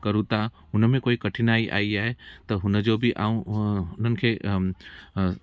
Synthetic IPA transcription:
kɐɾũt̪a | ʊnmẽkoːikɐʈʰɪnaːiʔa̰ːiaːɦet̪ɐɦʊnd͡ʒobʱiʔaːũʊnənɪ̆kʰeː

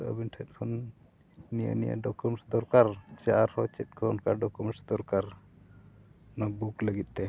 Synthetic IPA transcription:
ə̰binʈʰɛt̪̚ˀkʰɔn | nijə̰nija̰ɖɔkumsd̪ɔɾkaɾt͡ʃaaɾhɔt͡ʃɛt̪̚ˀkʰɔɔnkaɖɔkumɛʈsd̪ɔɾkaɾ | nabukləɡit̪̚ˀt̪ɛ

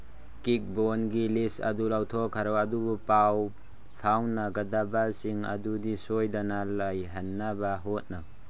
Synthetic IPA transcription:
kik̚bonɡilisɐ̰dulawtʰɔkʰːaɾɔwɐdubupaw | pʰawnːɐɡɐdabasiŋɐ̰dudisojdanalajɦɐnːabaɦot̚nɐ

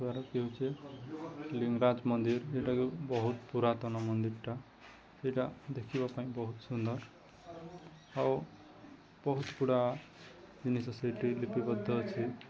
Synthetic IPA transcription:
aɾʌkeɦot͡sʰe | liŋɡɾad͡zmʌnd̪iɾeʈakibʌɦut̪puɾat̪ʌnʌmʌnd̪iɾʈa | sejʈad̪ekʰibapaĩbʌɦut̪sund̪ʌɾ | ʌ | b̥ʌɦut̪puɽa | jinisʌsajʈilipibʌd̪ʱːʌt͡sʰi

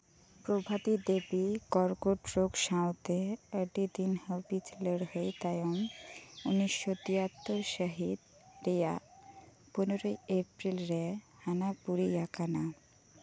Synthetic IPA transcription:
pɾobʱat̪id̪ebikɔɾkoʈɾoɡʃawt̪eəɖid̪inhəbit͡ɕləɽhojt̪ajonuniʃːot̪ijat̪ːoɾʃəɦid̪ | ɾija̰ | poneɾojepɾilɾe | hanapuɾijakana

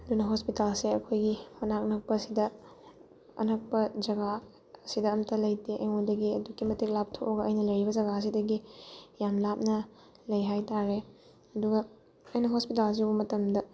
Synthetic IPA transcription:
ɐdunɐɦospitalseɐkʰojɡimɐnak̚nɐk̚pɐsidɐ | ɐ̰nɐk̚pɐd͡ʒɐɡa | sidɐɐmtɐlɐjteʔɐ̰jŋodɐɡiɐdukːimɐtik̚lap̚tʰoʔɡɐʔɐjnɐlɐjɾibɐd͡ʒɐɡaɐs̬idɐɡijamlap̚nɐ | lɐjɦajtaɾe | ɐduɡɐ | ɐjnɐɦospitalz̬ibɐmɐtɐmdɐ

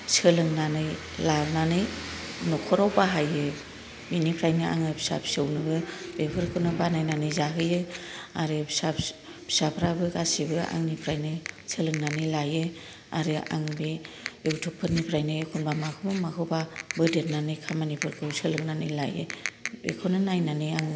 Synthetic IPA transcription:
sɯlɯŋnanɯj | lananɯjnɔkʰɔɾawbaɦajɯ | binipʰɾajnɯʔa̰ŋɯbʰsa̰p̚sɯwnɯɡɯb̥epʰɯɾkʰɯnɯbanajnanɯjzaɦɯjɯaɾɯbsabʰi̥sapʰɾabɯkasibɯʔa̰ŋnipʰɾajnɯselɯŋnanɯjlajɯ | aɾɯʔa̰ŋbi | ewtʰuk̚pʰɯɾnipʰɾajnɯkʰunbamakʰɯmɯmakʰɯwbabɯdet̚nanɯjkʰamanipʰɯɾkʰɯwsɯlɯŋnanɯjlajɯ̰bḛkʰɯnɯnajnanɯjaŋ

